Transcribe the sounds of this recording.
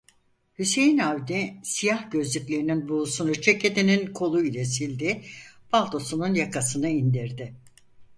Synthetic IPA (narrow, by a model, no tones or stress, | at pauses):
hyse̞jinawd̪isijahɟø̞zlʲycʲlʲe̞ɾininbusunut͡ʃʰe̞ce̞d̪eninkʰo̞lˠuilʲɛsilʲd̪ɪbalˠt̪o̞sununjakʰasɯnɯind̪iɾd̪ɪ